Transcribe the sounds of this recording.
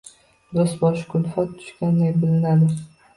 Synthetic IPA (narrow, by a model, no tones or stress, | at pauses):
d̪osbɒʃkʰʊlfɒt̪ʰːʊ̥ʃkʲand̪ajbɪlɪnad̪ɪ